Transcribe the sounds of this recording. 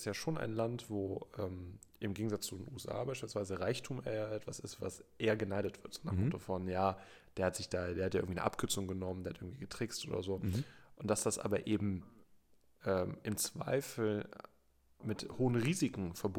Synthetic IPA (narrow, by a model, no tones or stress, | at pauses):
stjaːʃoːna̰ɪnlantv̥oːʔɛːm | ʔɪmɡeːɡŋ̩zat͡st͡sudenṵɛsʔa̰ːbaɪʃpilsv̥aɪzəʁaɪçtʰuːmʔɛɐʔɛtv̥asɪstv̥a̰sʔeːɐɡənaɪɾətv̥ɪɐtz̥oːnaːmʊtəfɔnjaː | d̥eːɐhatz̥ɪçd̥aːdeːɐhatjaɪ̰ɡŋ̩viːnə̰ʔa̰p̚kʰʏɐt͡sʊŋɡənɔməndeːhatɪɡŋ̩tv̥iːɡ̥ətʁ̥ɪkstʔo̰ːdɐ̰zoːʔʊntd̥asd̥asʔa̰ːbɐʔeːbm̩ | ʔɛːmɪmt͡sv̥a̰ɪfl̩ | mɪthoːənʁiːzɪkŋ̩fɛɐb